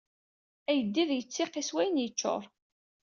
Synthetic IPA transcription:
æjəd̪ːiðjət͡sːɪqːiswæjənjət͡ʃːo̰ɾˤ

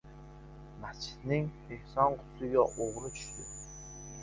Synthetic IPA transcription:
mast͡ʃʰɪ̥t̪nɪŋ | ehsɒnqʰʊ̥t̪ʰlɪɡʲaʔoʁɾɪt̪ʰʊ̥ʃɪ

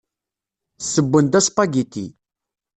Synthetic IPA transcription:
sːəbːənd̪æspɑɡit̪ḭ

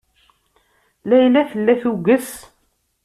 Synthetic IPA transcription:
læjlæθəlːæθuɡəs

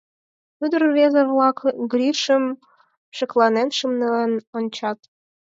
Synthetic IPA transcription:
yd̪ərβezəβlɑkɡɾiʃəm | ʃə̆klˠɑnenʃəmnelenonʲt͡ɕɑt̪

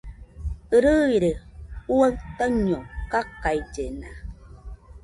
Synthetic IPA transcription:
əɾəiɾeuwəŋtəɲɔŋkakajd͡ʒena

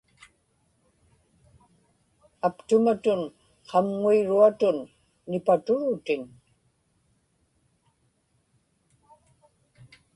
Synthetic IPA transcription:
apt̪ʊmat̪ʊn | qʰɑmŋuiɻuat̪ʊnː | ɪpat̪ʊɻʊt̪ɪn

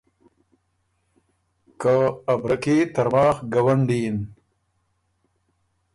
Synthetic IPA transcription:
kaːbɾɐket̪ɐɾmaːxɡawaɳɖin

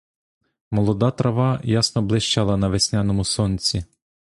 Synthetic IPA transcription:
mɔlˠɔd̪ɑt̪ɾɐʋɑjasnɔblˠɪʃt͡ʃɑlˠɐnɐʋesʲnʲanɔmʊsɔnʲt͡sʲi

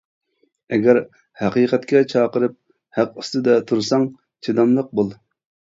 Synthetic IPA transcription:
ɛɡʲæɾ | hæqiːqɛt̪kʲɛt͡ʃʰɑːqəɾɨp̚ | hæqust̪ɨd̪ɛt̪ʰuɾsɑŋ | t͡ʃʰed̪ɑmlˠəq̚bulˠ

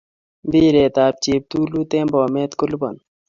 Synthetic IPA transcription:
biːɾeːt̪aːp̚t͡ɕiːp̚t̪uːluːt̪eːmboːmeːt̪kʊlbɐ̰n

